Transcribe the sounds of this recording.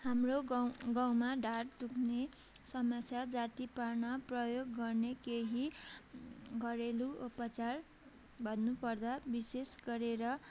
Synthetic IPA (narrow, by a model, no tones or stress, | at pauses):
hamroɡaw̃maɖʱaɽt̪ukʰne | sʌmʌsjad͡zat̪iparnʌprʌjoɡːʌrnekeɦi | ɡʌɾeluopʌt͡sar | bʱʌnnupʌrd̪abisesɡʌɾeɾʌ